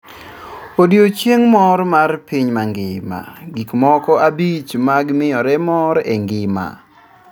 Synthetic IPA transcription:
odjot͡ʃjeŋmɔrmarpiɲmaŋɡɪma̰ɡikmɔkɔabit͡ʃmaɡmɪjɔɾɛmɔɾɛŋɡɪma̰

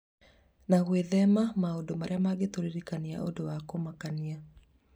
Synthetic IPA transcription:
naɣweðɛmamaodomaɾeamaɡetoɾeɾikania̰ʔo̰dowakomakania

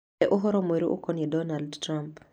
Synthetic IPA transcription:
ɛʔoɦɔɾɔmeɾoʔo̰kɔnedɔnaldtramp

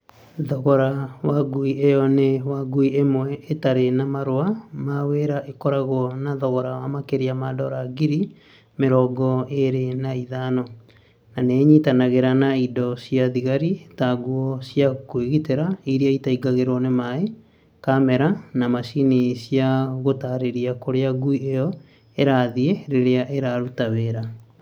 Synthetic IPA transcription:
ðɔɣɔɾawaɡuiejɔnewaɡuiemwɛʔetaɾenamaɾoamaweɾaʔekɔɾaɣwɔnaðɔɣɔɾawamakeɾeamadɔɾaɡiɾi | meɾɔɡɔeɾenaiðanɔ | naneɲitanaɣeɾanaidɔsjaðiɣaɾitaɡuɔsjakweɣiteɾaiɾiaitaiɡaɣeɾɔnemae | kamɛɾanamaʃinisijaɣotaɾeɾiakoɾeaɡuiejɔ | eɾaðieɾeɾeaʔeɾaɾutaβeːɾa

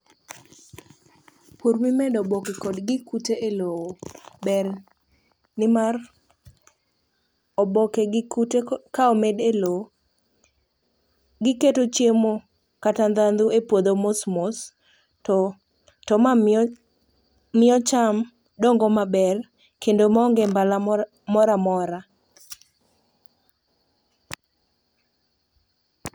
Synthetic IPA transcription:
puɾmimɛdɔbɔkekɔdɡɪkuteʔelowobɛr | nɪmar | ɔbɔkeɡɪkutekaomedelo | ɡɪketot͡ʃjemo | katand̪and̪uepwod̪omosmos | tɔ | tɔma | ɪɔt͡ʃam | doŋɡɔmabɛr | kendomaɔŋɡɛmbala | mɔɾamɔɾa

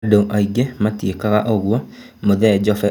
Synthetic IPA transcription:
doʔaiɡematjekaɣaʔoɣwɔ | moðɛd͡ʒɔfɛ

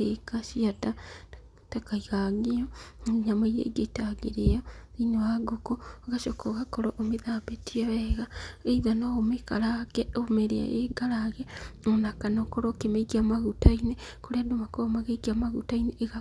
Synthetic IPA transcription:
ekaʃiata | takaiɣaɣioɲamaiɾḛiɡetaɡeɾejoinowaɡokoɣaʃokoɣakoɾoʔomeðaːbetiaβɛɣaeiðanoomekaɾaɡɛomeɾḛa̰jeɡaɾaɣɛonakanokoɾokemekiamaɣutainekoɾeadomakomaɣekiamaɣṵtaineːɣa

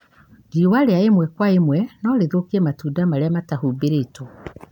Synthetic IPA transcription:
ɡiwaɾeaemwɛkwaemwɛnɔɾeðokiɛmatuːdamaɾeamatahubeɾeto

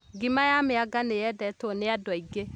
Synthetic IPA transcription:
ɡimajameaɡanejɛdɛtoneadwɔiɡe

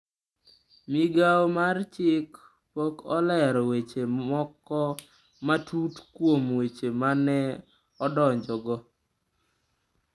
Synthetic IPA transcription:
mɪɡawmart͡ʃɪk | pokɔlɛɾɔwet͡ʃeɔkːɔ | matutkwomwet͡ʃemanɛ | ɔdɔɲd͡ʒɔɡɔ

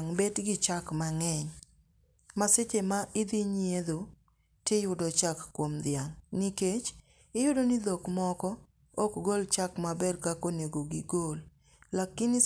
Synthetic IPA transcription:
ŋbedɡɪt͡ʃakmaŋɛɲ | maset͡ʃemaʔɪd̪ɪɲieðo | tɪjʊdɔt͡ʃakːwomd̪ɪaŋniket͡ʃ | ɪjʊdonɪd̪okmɔkɔ | ɔkɡolt͡ʃakmabɛrkakoneɡoɡɪɡolː | akːɪnɪ

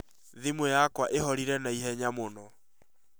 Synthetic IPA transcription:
ðimwɛjakwaʔeɦɔɾiɾɛnaiɦɛɲamonɔ

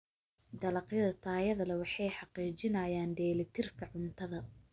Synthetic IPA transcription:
d̪ɐlɐqjɐðɐt̪ʰaːjɐðɐlɐwɑħɑjħɑqiːt͡ʃɪnɐjaːnɖ̪ɛːlɐt̪ʰɪrkʰɐʕʊnt̪ʰɐðɐ

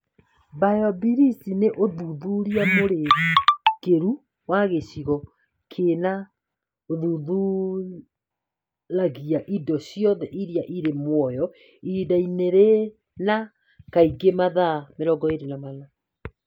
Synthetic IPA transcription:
bajɔbiɾisineʔoðuðuɾiamoɾe | keɾu | waɣeɕiɣɔ | kʰena | oðuðu | ɾaɣiaʔidɔɕjɔðɛʔiɾiaʔiɾemwɔjɔ | idaineɾe | na | kaiɡemaðameɾɔɡɔeɾenamana

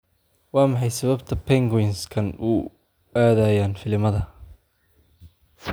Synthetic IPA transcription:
wɑːmɑħɑjsɐβɐbt̪ʰɐpʰɛŋɡwɪnskʰɐnu | aːðɐjaːnfɪlɪmɐðɐ

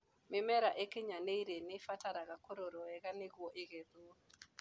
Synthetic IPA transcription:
mɪmɛɾaʔekeɲaneiɾenɪfataɾaɣakoɾoɾɔɛɣaneɣwɔʔeɣeðuo

